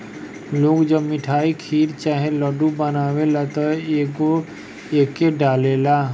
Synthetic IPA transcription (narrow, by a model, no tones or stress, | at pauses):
loːɡd͡ʒəbmɪʈʰaːikʰiːɾt͡ʃaːɦẽləɖubənaːwelat̪əeko | eːkːeɖaːlelaː